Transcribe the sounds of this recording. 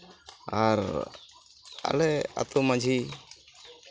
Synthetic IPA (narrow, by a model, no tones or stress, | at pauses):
aɾ | a̰lɛa̰t̪ɔmad͡ʒʱi